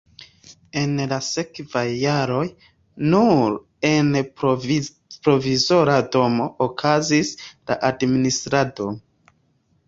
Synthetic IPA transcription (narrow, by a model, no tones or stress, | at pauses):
e̞nlase̞kvajːaɾo̞j | nuɾ | e̞n | pɾo̞vizo̞ɾado̞mo̞ʔokʰazisla̰ʔadministɾado̞